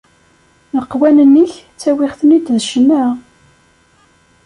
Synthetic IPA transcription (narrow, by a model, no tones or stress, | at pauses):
nəqːwænənːiç | t͡sːæwɪχθənid̪ðʃənːæ